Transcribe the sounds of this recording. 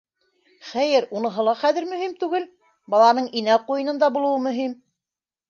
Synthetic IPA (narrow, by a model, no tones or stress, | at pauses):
χæjɘɾunɤ̆ɦɤ̆lˠɑχæðɘ̆ɾmɵ̆himt̪ʉɡɘl | bɑlˠɑnɤɴinæqujɤ̆nɤnd̪ɑbulˠɤ̆wɤmɵ̆ɦim